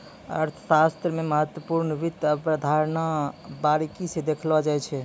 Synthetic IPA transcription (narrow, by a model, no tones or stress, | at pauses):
ə̰ɾt̪ʰsast̪ɾəmeməɦət̪wəpuɾnəʋit̪ːəpɾəd̪ʱaɾnabaɾikised̪ekʰlbad͡ʒaɛt͡ʃʰɛ